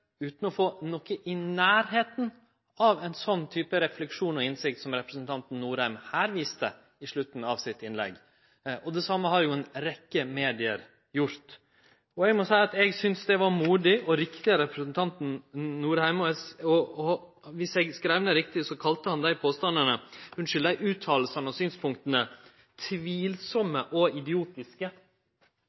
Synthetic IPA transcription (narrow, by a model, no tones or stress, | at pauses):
ʉːt̪n̩ɔfoːnɔkːəʔɪnæːɾɦeːt̪n̩ | ɑʋɛɪnsɔnːt̪ʰyːpəɾɛflɛkʂuːnɔɪnsɪkt̪sɔmɾɛpɾəsnt̪ʰɑnt̪n̩ːuːɾhæɪmhæːɾʋiːst̪ə | ɪʂɭʉt̪ːn̩ɑʋsɪt̪ɪnlɛ̰ɡː | ɔd̪ɛsɑmːəhɑɾjʊɛnɾɛkːəmeːd̪ɪə̰ɾ | jʊɾt̪ | ɔɛɡmɔsæɪɑt̪ɛɡsʏnsd̪ɛʋɑɾmuːd̪ɪʔɔɾɪkt̪ɪəɾɛpɾəsənt̪ʰɑnt̪n̩nuːɾhæɪmɔɛɔ | ʋɪsɛɡskɾæɪʋnəɾɪk̚t̪ɪsɔkʰɑlt̪əhɑnd̪æɪpʰoːst̪ɑnd̪əɳəhʉnʂʏld̪æɪʔʉːt̪ʰːɑːll̩sɑnəɔsyːnspʰʊŋk̚t̪ənə | t̪ʰʋiːlsɔmːəʔɔɪd̪ɪuːt̪ɪskə